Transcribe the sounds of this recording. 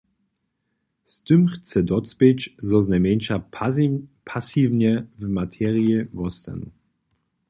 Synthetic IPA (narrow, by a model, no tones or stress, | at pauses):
st̪ʏmxt͡sɛd̪ɔt͡spɪt͡ʃzɔznɛmʲɛnʲʃa | pʰasivɲɛvmat̪ʰɛːʁiivɔst̪ɛ̰n